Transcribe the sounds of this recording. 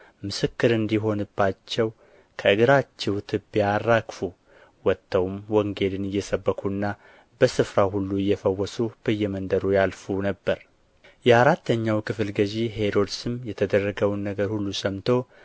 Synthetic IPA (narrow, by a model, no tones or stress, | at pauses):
mɨsɨkːɨɾɨnd̪iɦo̞nɨbːat͡ʃːɛw | kʰəɨɡɨɾat͡ʃːɛwt̪ʰɨbːijarːakfu | wɔt̪ʰːəwmwɔŋɡe̞lɨnɨjːɛsəbːəkʰunːa | bəsɨfɾaɦulːuɪjːɛfəwːɔsub̥əjːɛmənd̪əɾujalfunəbːəɾ | jɛaɾat̪ʰːəɲːawkʰɨflɡəʒiɦeɾo̞d̪sɨmjɛt̪ʰəd̪ərːəɡəwnːəɡəɾhulːusəmt̪ʰo̞